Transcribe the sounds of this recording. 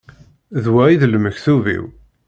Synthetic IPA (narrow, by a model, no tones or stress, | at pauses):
ðwæiðləməçθuvḭw